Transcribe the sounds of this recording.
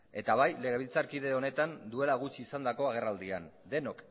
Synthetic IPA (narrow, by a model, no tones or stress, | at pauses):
e̞t̪aβ̞ajle̞ɣ̞e̞β̞ilt͡saɾkið̞e̞o̞ne̞t̪and̪ue̞laɣ̞ut͡ʃiːsand̪ako̞aɣ̞e̞rald̪iand̪e̞no̞k